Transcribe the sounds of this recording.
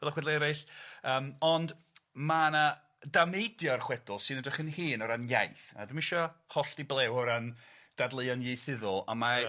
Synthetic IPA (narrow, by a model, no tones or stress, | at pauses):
ɛlaχwɛdlˠeɾajɬəːmɔnd | mana | damejdjɔrχwɛdʊlˠsɨnədrɪχənhɨːnɔɾanja̰jθa̰dumɪʃɔhɔɬtiblˠɛwɔɾand̥adlˠəɨɔnjejθɪðʊlˠa̰ma